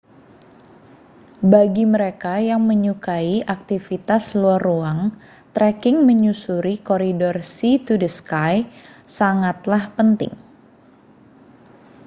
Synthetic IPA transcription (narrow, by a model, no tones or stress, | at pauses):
baɡiməɾekajaŋməɲukaiʔak̚t̪ifit̪asluaruaŋ | t̪ɾɛkɪŋməɲusuɾikoɾidɔrsit̪udəskajsaŋat̪lahpənt̪ɪ̰ŋ